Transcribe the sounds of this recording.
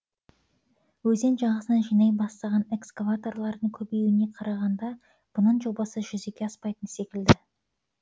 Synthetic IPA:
wɵze̞nʒɑɴʁəsənɑnʒijnɑjbɑst̪ɑʁɑne̞kskovat̪o̞rlˠɑɾd̪əŋkʲʰɵbejwɪne̞qʰɑɾɑʁɑnd̪ɑ | b̥ʊnəɴʒo̞bɑsəʒʏzekʲe̞ɑspɑjt̪ənse̞kʲɪld̪ɪ

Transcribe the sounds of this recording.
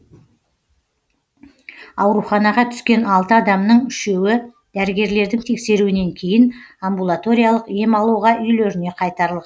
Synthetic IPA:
ɑwɾuχɑnɑʁɑt̪ʰʏ̥skʲe̞nɑlˠt̪əɑd̪ɑmnəɴʏʃe̞wɪ | d̪̥æɾɪɡʲe̞ɾle̞ɾd̪ɪŋt̪ʰe̞kse̞ɾuɪne̞ŋkʲʰe̞jɪnambulˠat̪o̞ɾijalˠəqje̞mɑlˠuʁɑʔʏjle̞ɾɪne̞qʰɑjt̪ɑɾəlˠʁɑn

